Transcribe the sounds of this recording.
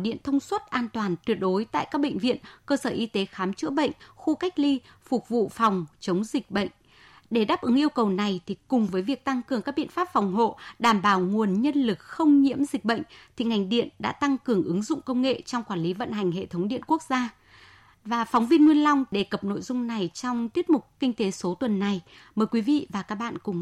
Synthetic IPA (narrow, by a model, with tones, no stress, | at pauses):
ɗḭ˧˨ənt̪ʰə˧wŋ͡mswə˦˥t̚ʔaː˧nt̪waː˨˩nt̪wi˨˩t̚ɗo˨˦jt̪a̰ː˧˨jkaː˦˥k̚ɓə̰˧˨ŋ̟vḭ˧˨ənkəː˧səː˧˩ʔi˧t̪e˨˦xaː˨˦mt͡ɕɨ̰˧˥əɓə̰˧˨ŋ̟xu˧ka˦˥jk̟̚li˧ | fʊ˨˩k͡p̚vṵ˧˨fɔ˨˩wŋ͡mt͡ɕə˨˦wŋ͡mzï˨˩k̟̚ɓə̰˧˨ŋ̟ | ɗe˧˩ɗaː˦˥p̚ʔɨ˨˦ŋʔi˧əwkə˨˩wna˨˩jt̪ʰi˨˩kʊ˨˩ŋ͡mvəː˨˦jvi˨˩ək̚t̪a˧ŋkɨ˨˩əŋkaː˦˥k̚ɓḭ˧˨ənfaː˦˥p̚fɔ˨˩wŋ͡mɦo̰˧˨ɗaː˧˩mɓaː˧˩wŋu˨˩ənɲə˧nlɨ˨˩k̚xə˧wŋ͡mɲḭ˧˥əmzï˨˩k̟̚ɓə̰˧˨jŋ̟t̪ʰi˨˩ŋa˨˩jŋ̟ɗḭ˧˨ənɗa̰ː˧˥t̪a˧ŋkɨ˨˩əŋʔɨ˨˦ŋzʊ̰˧˨ŋ͡mkə˧wŋ͡mŋḛ˧˨t͡ɕɔ˧wŋ͡mkwaː˧˩nli˨˦və̰˧˨nɦa˨˩jŋ̟ɦḛ˧˨t̪ʰə˨˦ŋ͡mɗḭ˧˨ənku˦˥ək̚z̥aː˧ | vaː˨˩fɔ˨˦wŋ͡mvi˧ənŋwi˧ənla˧wŋ͡mɗe˧˩kə˨˩p̚no̰˧˨jzʊ˧ŋ͡mna˨˩jt͡ɕɔ˧wŋ͡mt̪i˦˥ət̚mʊ˨˩k͡p̚kï˧ŋ̟t̪e˨˦so˨˦t̪wə˨˩nːa˨˩j | məː˨˩jkwi˨˦vḭ˧˨vaː˨˩kaː˦˥k̚ɓa̰ː˧˨nkʊ˨˩ŋ͡m